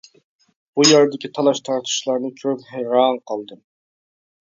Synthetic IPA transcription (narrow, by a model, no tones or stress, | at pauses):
b̥ujɑɾd̪ɪkʲit̪ʰɑlˠɑʃt̪ʰɑɾt̪ʰu̥ʃlˠɑɾnɨkʲʰøzhɛjɾɑnqʰɑlˠd̪ɨm